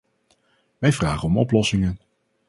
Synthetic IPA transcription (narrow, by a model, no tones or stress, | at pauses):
ʋɛjvraːχənɔmɔplɔsɪŋən